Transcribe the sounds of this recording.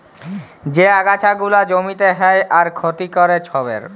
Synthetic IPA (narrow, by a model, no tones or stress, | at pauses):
d͡ʑeaɡat͡ɕʰaɡulad͡ʑomit̪eɦɛeʔaɾkʰot̪ikɔɾet͡ɕʰɔbḛɾ